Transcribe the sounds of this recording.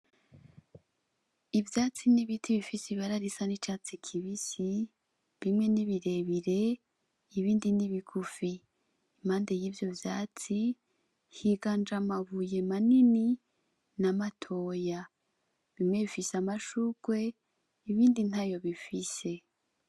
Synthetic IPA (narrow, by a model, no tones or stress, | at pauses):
ivjaːt͡siniβitʰiβifisiβaɾaɾisanit͡ʃat͡sikʰiβisi | βimŋe̞niβiɾe̞βiɾe̞ː | βiːndiniβikʰufiː | maːndejiːvjo̞vja̰ːt͡si | hiɡand͡ʒamavuje̞manini | namatʰo̞ːja | βimŋe̞βifisamaʃuɡ̥we̞ | iβiːndin̥ajo̞βifise̞